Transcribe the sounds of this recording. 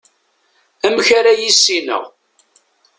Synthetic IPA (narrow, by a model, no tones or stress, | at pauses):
æmçaɾajisːinə̰ʁ